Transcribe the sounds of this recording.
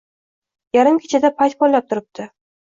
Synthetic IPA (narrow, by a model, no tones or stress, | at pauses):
jaɾɪmkʲʰet͡ʃʰɪd̪apʰajt̪̚bɒlːap̚t̪ʰʊɾɪp̚t̪ʰɪ